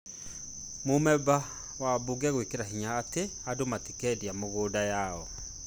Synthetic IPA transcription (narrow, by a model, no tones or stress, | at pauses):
momɛba | wabuɡɛɣwekeɾahiɲaːteadomatikɛdiamoɣoːdajaɔ